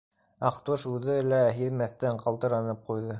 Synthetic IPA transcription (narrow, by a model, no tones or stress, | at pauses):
ɑqt̪uʃʉðɘlæɦiðmæθt̪æɴqɑlˠt̪ɤ̆ɾɑnɤp̚qujðɤ